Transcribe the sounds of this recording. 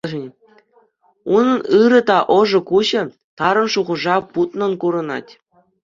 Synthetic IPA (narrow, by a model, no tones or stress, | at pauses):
nʲ | unɤ̆nɯɾɤ̆t̪ɑʔɤ̆ʐɤ̆kuʑɘ̆ | t̪ɑɾɤ̆nʂuʁɤ̆ʐɑput̪nɤ̆nkuɾɤ̆nɑ̰tʲ